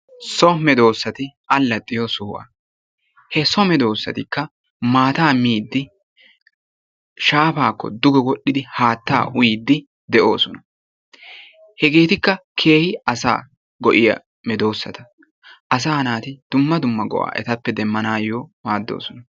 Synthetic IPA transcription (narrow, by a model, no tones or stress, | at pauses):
sɔmɛd̪o̞ːsːɐt̪ɪʔɐlːɐt̪ʼːɪjosʊhʔɐ̰ | hɛsɔmɛd̪o̞ːsːɐ̰t̪ɪkːɐ | maːt̪aːmiːd̪ːɪ | ʃaːfaːkːɔ̰d̪ʊɡɛwɔɗɪd̪ɪhaːt̪ːa̰ːʔʊjid̪ːɪ | d̪ɛʔo̞̰ːsɔnɐ̥ | hɛɡe̞ːt̪ɪkːɐkʰe̞ːhɪɐsa̰ː | ɡɔʔɪjɐ̰ | mɛd̪o̞ːsːɐt̪ɐ | ʔɐs̬aːnaːt̪ɪd̪̥ʊmːɐd̪ʊmːɐɡɔ̰ʔa̰ːʔɛ̰t̪ɐpːɛd̪ɛmːɐnaːjoːmaːd̪ːo̰ːsɔnɐ